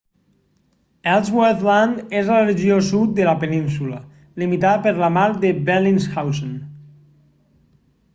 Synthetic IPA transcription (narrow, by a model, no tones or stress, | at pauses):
ɛlzwaɾθland̪ezləreʒiosut̪̚d̪əlapenĩnsulə | limit̪aðəpəɾlamaɾd̪əbɛlinsxawsen